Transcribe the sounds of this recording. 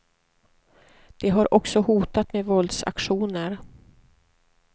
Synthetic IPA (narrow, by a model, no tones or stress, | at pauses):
d̪̥ɛɦaɾʔɔksɔhuːt̪at̪mevɔld̪sa̰kɧuːnəɾ